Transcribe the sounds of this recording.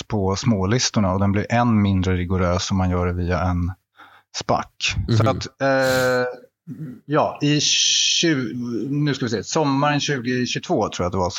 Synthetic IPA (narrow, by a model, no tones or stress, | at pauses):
pʰɔsmoːlɪst̪ʊɳaɔd̪ɛnblɪɾʔɛnmɪnd̪ɾəɾɪɡʊɾøːsɔmːanjœːɖɛviːaɛn | spa̰kːsɔat̪ | jɑːɪ | ʉnʉskavɪs̬eːsɔmːaɾənɕʉ̟ːɡɪɕɵt̪ʰvoːt̪ʰɾuːjat̪d̪ɛva